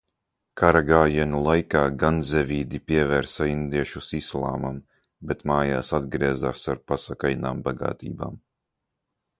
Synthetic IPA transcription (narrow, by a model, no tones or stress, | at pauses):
kʰaɾaɡaːjiɛnulˠajkaːɡanzɛvʲiːd̪ipʲiɛvɛːɾsaind̪iɛʃusislˠa̰ːmam | bet̪maːjaːsad̪ɡɾiɛzaːsaɾpasakajnaːmbaɡa̰ːt̪ḭːba̰ːm